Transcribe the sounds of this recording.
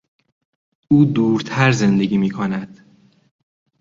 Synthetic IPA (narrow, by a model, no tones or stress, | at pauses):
uːd̪uːɾt̪ʰæɾze̞nd̪e̞ɟiːmiːkʰonæd̪̥